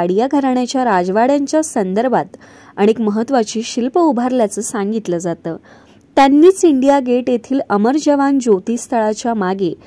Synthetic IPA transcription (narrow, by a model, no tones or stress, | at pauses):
aɽijaɡʱəɾɳjat͡ɕjaɾad͡zʋaɽjaɲt͡ɕjasənd̪əɾbʱat̪ | aɽ̃iekməɦət̪ʋat͡ɕiːɕilpəubʱaɾljat͡səːsaŋɡit̪ləːd͡zat̪əː | t̪janːiːt͡siɳɖijaɡeʈjet̪ʰiːləməɾd͡ʑəʋand͡ʑot̪iːst̪ʰəɭat͡ɕjamaɡe